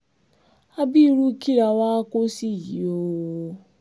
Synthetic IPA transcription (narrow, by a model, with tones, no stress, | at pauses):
a˦bi˦ɾu˦ki˦ɾa˨wa˦ko˦si˦˨ɣi˨o˦wo˦